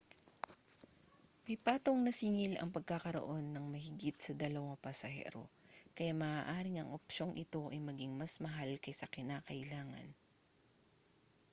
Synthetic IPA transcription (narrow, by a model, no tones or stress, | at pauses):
mɐjpaːt̪oŋnɐsɪŋɪlɐ̰ŋpɐɡ̚kːakɐɾo̞̰ʔo̞nːɐŋmɐhɪɡɪt̪̚sɐd̪ɐlɐwaŋpɐsɐɦɛ̰ːɾo̞̰kɐjamaːʔaːʔaːɾɪŋɐŋʔopʃo̞ŋʔɪt̪o̞ʔɐjmɐɡiŋmɐsmɐɦalkɐjsɐkɪnaːkɐʔɪlaːŋɐ̰n